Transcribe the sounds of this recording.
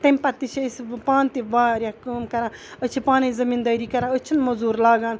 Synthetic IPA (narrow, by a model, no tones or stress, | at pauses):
t̪ɐmpɐt̪it͡ʃʰispaːnt̪iʋaːɾʲɐkuːmkɐɾãːət͡ʃʰipaːnezɐmiːnd̪ɐːɾiːkɐɾãət͡ʃʰinmɐzuːɾlaːɡaːn